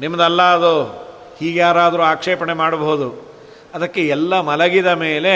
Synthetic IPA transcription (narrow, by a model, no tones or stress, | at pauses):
nimːɐd̪ɐlːɐɐd̪o | hiːɡjaːɾaːd̪ɐɾuaːkʂeːpɐɳemaːɽɐbɐɦud̪u | ɐd̪ɐkːeɛlːɐmɐlɐɡid̪ɐme̞ːle̞